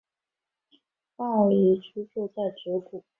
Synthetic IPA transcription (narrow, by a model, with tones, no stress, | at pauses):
pa˥˩ə˨˩li˧˥ʈ͡ʂʰu˥t͡ɕʰɔ˥˧t͡sa˥˩ɪʈ͡ʂɻ̩˧˥ku˨˩˦